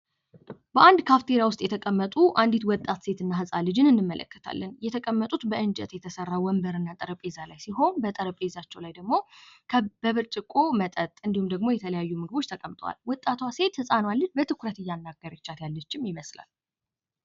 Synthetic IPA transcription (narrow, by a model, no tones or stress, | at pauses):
bəʔand̪kʰaft̪ʰeɾjawʊst̪ʼjɛt̪ʰəkʼəmːət̪ʼuʔand̪it̪wɔt̪ʼːat̪se̞t̪ɨnːaɦɨsʼalɨd͡ʒɪnɨnːɨmːəlʔə̰kʰːə̥t̪ʰa̰lːənjɛt̪ʰəkʼəmːət̪ʼut̪bəʔɨnd͡ʒɛ̰t̪jɛt̪ʰəsərːawɔmbəɾɨnːat̪ʼəɾəpʼezalajsiɦo̞nbət̪ʼəɾəpʼezat͡ʃːɛwlajd̪əɡmo̞ | bəβɨɾt͡ʃʼɨkʼːo̞mət̪ʼət̪ʼɨnd̪ihumd̪əɡmo̞jɛt̪ʰələjajːumɨɡɨbo̞t͡ʃːt̪ʰəkʼəmt̪ʼwa̰lwɔt̪ʼːat̪wase̞t̪hɨsʼanwalːɨnbət̪ʰɨkʰuɾət̪ɨjːanːaɡːəɾət͡ʃːat̪jalːət͡ʃːɪmjɪməsla̰l